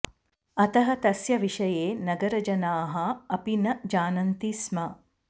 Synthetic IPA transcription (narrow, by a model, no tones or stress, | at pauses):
ɐt̪ɐɦɐt̪ɐsjɐʋiʂɐjeːnɐɡɐɾɐd͡ʒɐnaːɦɐɐpinɐd͡ʒaːnɐnt̪ismɐ